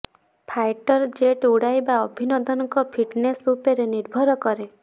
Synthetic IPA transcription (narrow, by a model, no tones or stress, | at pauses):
pʰajʈɔɾd͡ʒeʈuɽajbaɔbʱinɔd̪ɔnɔŋkɔpʰiʈnesɾupeɾeniɾbʱɔɾɔkɔɾe